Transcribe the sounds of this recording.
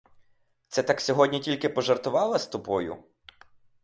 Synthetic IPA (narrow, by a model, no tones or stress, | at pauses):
t̪sɛt̪ɑksʲɔɦɔdʲnʲitʲilʲkɪpɔʒert̪ʊʋɑlˠɐst̪ʊpɔjʊ̰